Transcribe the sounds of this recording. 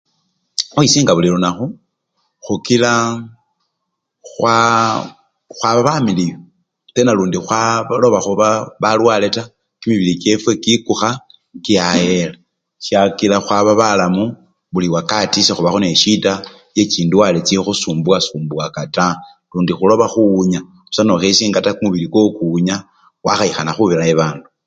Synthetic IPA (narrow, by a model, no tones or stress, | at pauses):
xwisiːŋɡaβulilonaxu | xukila | xwa | xwaβaβamilijo | t͡senaluːndixwalo̞βaxuβaβalwale̞ta | kimiβilike̞fwe̞kikuxa | ŋkiajela | ʃjakilaxwaβaβalamu | βuliwakatisexuβaxoneʃita | je̞ciːnduwalet͡sixusuːmbwasuːmbwakata | luːndixulo̞βaxuːɲa | u̥sano̞xesiːŋɡatakumuβilikokuːɲa | waxaixanaxuβiɾaeβaːndu